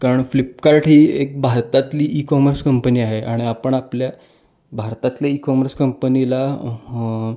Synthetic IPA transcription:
kaɾəɳflip̚kaɾʈɦiːek̚bʱaɾt̪at̪liːʔikɔməɾskəmpəniːaɦeʔaɽ̃iapəɳaplja | bʱaɾt̪at̪laikɔməɾskəmpənila

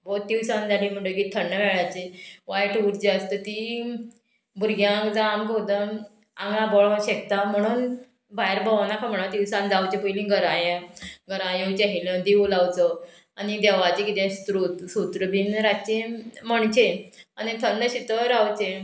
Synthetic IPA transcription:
bot̪iwsãnd͡zalĩm̤əɳɖəɡit̪ʰːəɳːəʋɛɭat͡ɕeʋajʈuɾd͡ʑeəst̪ət̪i | bʱuɾɡjãkd͡zamɡod̪ən | aŋɡlãbɔɭɔ̃ɕekt̪am̤əɽ̃uːn | bajɾbʱəʋanakʰam̤əɳ̃at̪iwsãnd͡zawt͡ɕebojlĩɡəɾãjẽɡəɾãjet͡ɕeɦilə̃d̪iʋulawt͡sə | anid̪ɛʋat͡ɕekit̪ẽsɾusut̪ɾəbinɾat͡ɕẽməɳt͡ɕeanit̪ʰənd̪əɕit̪əɾawt͡ɕẽ

